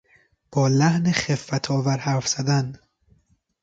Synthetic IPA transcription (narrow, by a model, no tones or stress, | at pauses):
b̥ɒːlæhneχefːæt̪ʰɒːvæɾhæɾfz̥æd̪æn